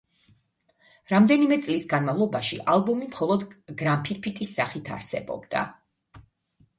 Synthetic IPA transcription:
ɾamd̪ɛnimɛt̪sʼlisɡanmavlˠɔbaʃiʔalˠbumimχɔlˠɔd̪ɡɾampʰiɾpʰit̪ʼisːaχit̪ʰa̰ɾsɛbɔ̰bd̪̥a̰

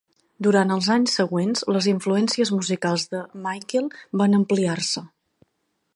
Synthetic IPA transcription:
d̪uɾant̪əlˠzaɲsːəɣwenzləziɱfluɛnsiəzmuzikalˠzðəmajkelˠbanəmpliarsə

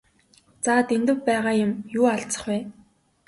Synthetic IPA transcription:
t͡saːt̪ent̪ɘ̆wpæːʁaːjʊ̆mjuːaɬt͡sə̥̆χwæː

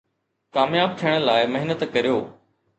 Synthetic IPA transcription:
kaːmjaːb̚t̪ʰijəɽ̃laːɪmɐɦɪnət̪kɐɾijoː

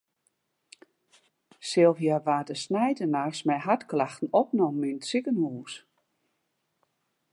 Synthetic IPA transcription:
sɪlˠfjaʋaːdəsnɛjdənarsmɛjɦatklaxtn̩ɔp̚nɔmːinsɪkənhuːs

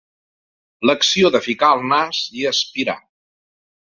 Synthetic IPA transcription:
ləksioðəfikaəlˠnasiəspiɾa̰

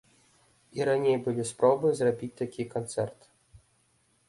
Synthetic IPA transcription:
iɾanʲejbɨlʲispɾɔbɨzrɐbʲit̚ʲt̪akʲʰikɔnt̪sɛ̰rt̪

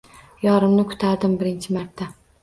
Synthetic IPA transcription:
jɒɾɪmnɪkʰʊ̥t̪ʰaɾd̪ɪmbɪɾɪnt͡ʃʰɪmaɾt̪ʰːa

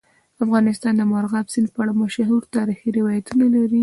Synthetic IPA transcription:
afɣɑnɪst̪ɑnd̪əmɑɾɣɑbsinpəaɽamaʃaɦuɾt̪ɑɾixiɾɪwɑjat̪unalaɾi

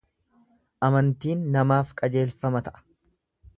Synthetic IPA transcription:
ʔɐmɐnt̪iːnːɐmaːfkʼɐd͡ʒe̞ːlfɐmɐt̪ɐʔɐ̥

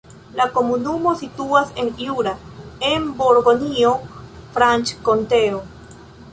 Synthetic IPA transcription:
lako̞munumo̞situase̞njuɾaembo̞ɾɡo̞nio̞fɾant͡ʃko̞nte̞o

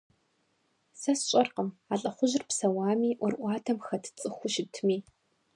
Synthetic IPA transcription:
sɐsɕʼɐrqəmaːɬʼɐχʷʊʑɪrpsɐwaːmiːʔʷɔrʔʷɑːdʰɐmxɐtʰt͡sʼɨxʷʊʃɪtʰmiː

